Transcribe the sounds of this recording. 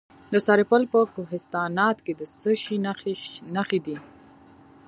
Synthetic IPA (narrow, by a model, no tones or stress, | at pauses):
d̪əsɑɾɪpəlpəkoɦɪst̪ɑnɑt̪ked̪əsəʃinnaxid̪i